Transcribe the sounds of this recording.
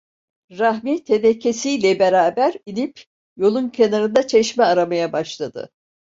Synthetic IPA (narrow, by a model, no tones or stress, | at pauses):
ɾahmiːt̪ʰenecʰesijlʲɛbeɾaːbæɾinip | jo̞lˠuncʰenaɾɯnd̪at͡ʃʰɛʃmɛaɾamajabaʃlˠad̪ɯ̰